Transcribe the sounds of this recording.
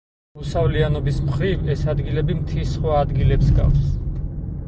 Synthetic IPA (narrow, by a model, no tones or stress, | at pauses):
usavlianɔbismχɾivɛsad̪ɡilɛbimt̪ʰisχwaːd̪ɡilɛpsɡa̰fs